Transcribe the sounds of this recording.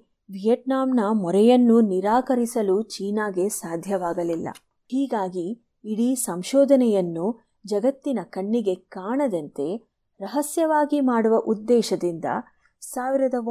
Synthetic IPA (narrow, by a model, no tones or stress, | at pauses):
ʋijɐʈ̚naːmnɐmɔɾɛjɐnːuniɾaːkɐɾisɐlut͡ʃiːnaːɡe̞saːd̪ʱjɐʋaːɡɐlilːɐ̰ | hiːɡaːɡiː | ɽisɐmʃɔːd̪ʱɐnɛjɐnːu | d͡ʒɐɡɐt̪ːinɐkɐɳːiɡe̞kaːɳɐd̪ɐnt̪e̞ | ɾɐɦɐsjɐʋaːɡimaːɽuʋɐʔud̪ːɛːʃɐd̪ind̪ɐ̰ | saːʋiɾɐd̪ɐ